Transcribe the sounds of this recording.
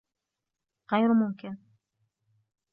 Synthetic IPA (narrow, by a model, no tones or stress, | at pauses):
ɣajɾmʊmkɪn